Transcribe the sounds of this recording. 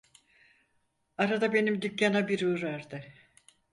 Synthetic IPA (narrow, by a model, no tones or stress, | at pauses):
aɾad̪abe̞nimd̪ycːanabiɾuɾaɾd̪ɯ